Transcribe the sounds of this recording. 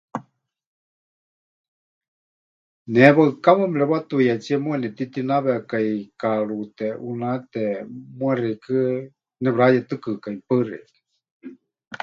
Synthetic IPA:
nɛβaɨkaməmlɛβat̪ujat͡siɛmuɛnɛt̪it̪inaβɛakajkaɺut̪ɛʔunat̪ɛmuɛrikʰɨ | nɛβɾajɛt̪ɨkɨkaipɨrḭkɨ̥

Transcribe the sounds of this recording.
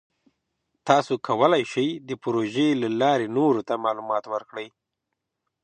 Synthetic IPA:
t̪ɑsokʰawəlajʃəjd̪əpɾoʒelalɑɾenoɾot̪amɑlumɑt̪wəɾkɽəj

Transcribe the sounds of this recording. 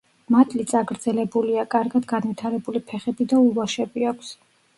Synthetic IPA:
mat̪ʼlit̪sʼaɡɾd̪zɛlɛbuliakʼaɾɡad̪ɡanvit̪ʰaɾɛbulipʰɛχɛbid̪aulɔʃɛbiakʷʰs

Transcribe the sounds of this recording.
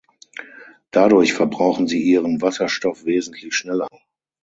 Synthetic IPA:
d̥adʊɐçfɛɐbʁaʊxn̩ziːʔiːʁənvasɐʃtɔfv̥eːzn̩tʰlɪçʃnɛlɐ

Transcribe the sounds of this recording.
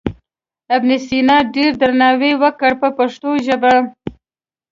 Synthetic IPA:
abnɪsinɑɖeɾd̪əɾnɑwewəkəɽpəpaʂt̪oʒəba

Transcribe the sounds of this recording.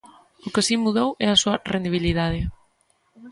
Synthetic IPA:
ʊkɪsimuðowɛɐsuɐrend̪iβ̞iliðað̞ɪ

